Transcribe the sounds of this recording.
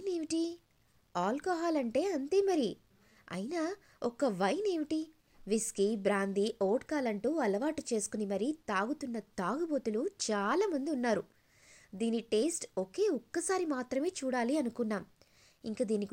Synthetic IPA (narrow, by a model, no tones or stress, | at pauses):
ne̞ːʋiʈi | aːlkɔːɦaːlɐɳʈe̞ːɐnt̪eːmɐɾi | ɐ̰jina | ɔkɐʋɐjne̞ːʋiʈi | ʋiskibɾaːnd̪iʔoːʈkaːlɐɳʈuːɐlɐʋaːʈut͡ʃe̞ːsu̥kunimɐɾit̪aːɡut̪unːɐt̪aːɡubo̞ːt̪ulut͡ʃaːlaːmɐnd̪iunːaːɾu | d̪iːniʈe̞ːsʈoke̞ːɔkːɐsaːɾimaːt̪ɾɐme̞ːt͡ʃuːɽaːliɐnukunːaːm | ḭŋkaːd̪iːnik